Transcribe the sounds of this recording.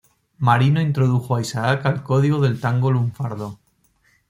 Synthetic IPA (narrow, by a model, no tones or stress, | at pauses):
maɾinoint̪ɾo̞ðuxoaisaakalko̞ðiɣo̞ðe̞lt̪aŋɡo̞luɱfaɾð̞o